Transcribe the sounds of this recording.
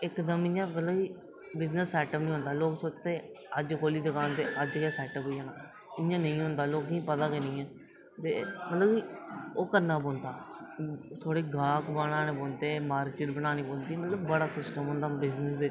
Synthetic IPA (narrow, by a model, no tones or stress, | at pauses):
ɪkd̪əmɪ̃ãːmət̪ləbiː | bɪznəsːɛːʈəpnĩːɦnd̪aːloːksoːt͡ʃt̪eː | əd͡ʒkʰoːliːd̪ekaːnt̪eːʔəd͡ʒkɛːsɛːʈəpɦoːijaːnaː | ɪ̃ãːnə̃ĩːɦʊ̃nd̪aːloːkĩːpət̪aːkeːnəĩːɛ̃ː | t̪eːmət̪ləbiːoːkəɾnaːboːnd̪aː | t̪ʰoːɽeːɡaːkbaːɽ̃ãːneːboːnt̪eːmaːɾkɪːʈbəñaːniːbõːnd̪iːmət̪ləbːəɽaːsɪsʈəmɦʊ̃nd̪aːbɪznəsbe